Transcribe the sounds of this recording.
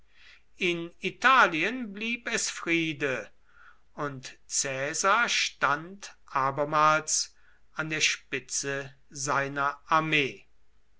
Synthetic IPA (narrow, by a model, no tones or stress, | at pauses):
ɪnitaːliənbliːpɛsfʁ̥iːdə | ʊntt͡sɛːzaɐʃtantʔaːbɐmaːls | ʔandeːɐʃpɪt͡sə | zaɪnɐʔaɐmeː